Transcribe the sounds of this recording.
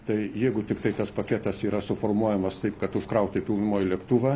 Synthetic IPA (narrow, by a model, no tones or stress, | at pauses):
t̪ɐɪjɛɪɡʊt̪ʲɪkt̪ɐɪt̪ɐspɐkʲɛt̪ɐsiːɾɐsʊfoːrmuɔjɛmɐst̪ɐɪpkɐt̪ʊʃkɾɐʊt̪ʲɪpʲɪlˠnʊmoːjɪlʲɛkt̪uːʋɐː